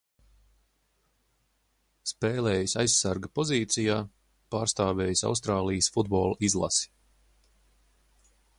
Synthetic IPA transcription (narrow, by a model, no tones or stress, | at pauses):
speːlɛːjisajsːaɾɡɐpɔziːt̪sijaː | paːɾst̪aːvɛːjsa̰wst̪ɾaːlˠijsfud̪bɔːlˠizlˠa̰si̥